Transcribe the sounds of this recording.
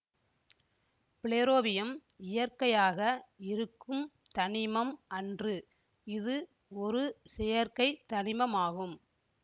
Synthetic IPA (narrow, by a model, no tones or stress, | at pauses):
pɪɭeːɾoːbɪjɐm | ɪjɐɾkɐjaːɣɐɪɾɯkːɯmt̪ɐɳɪmɐmʔɐndrɯ | ɪðɯ | ɔɾɯsɛjɐɾkɐɪt̪ɐnɪmɐmaːɣɯm